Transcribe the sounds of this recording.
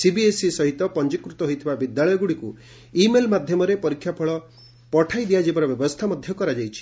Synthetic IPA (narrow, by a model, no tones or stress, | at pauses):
sibiesisɔɦit̪ɔpɔnd͡ʒikɾut̪ɔɦojt̪ʰibabid̪jaɭɔjɔɡuɽiku | imelmad̪ʱjɔmɔɾepɔɾikʰːjapʰɔɭɔ | pɔʈʰajd̪ijad͡ʒebɔɾɔbjɔbɔst̪ʰamɔd̪ʱjɔkɔɾad͡ʒajt͡ʃʰi̥